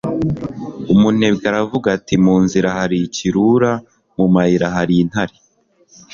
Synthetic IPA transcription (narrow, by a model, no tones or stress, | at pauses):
umune̞bɡaɾavuɡatimuːnziɾahaɾiciɾuɾa | mumahiɾaɦaɾiːn̥haɾi